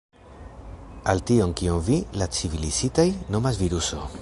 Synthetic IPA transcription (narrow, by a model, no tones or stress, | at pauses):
altio̞nkiomvilat͡sivilisitajno̞mas̬viɾuso̞